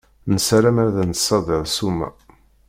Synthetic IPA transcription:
nəsɾæmæɾðænsˤɑðˤəðˤsumːæ̰

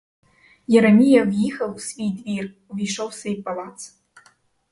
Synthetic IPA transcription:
jɛɾɐmʲijawjixɐwsvʲijd̪vir | vʲiʂowsejpʼalˠaːt͡sʰ

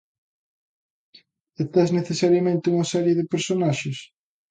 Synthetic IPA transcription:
et̪ɛzneθesaɾjɐmẽnt̪ɪuŋɐsɛɾjeðɪpeɾsonaʃɪs

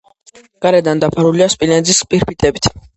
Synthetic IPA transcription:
ɡ̥aɾɛd̪and̪apʰaɾuliaspʼilɛnzispʼiɾpʰit̪ʼɛbit̪ʰ

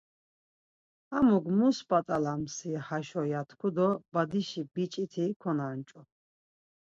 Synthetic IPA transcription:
amuɡmusbat̪ʼalamsihaʃɔjat̪ʰkʰud̪ɔbad̪iʃibit͡ʃʼit̪ʰikʰɔnant͡ʃʼɔ

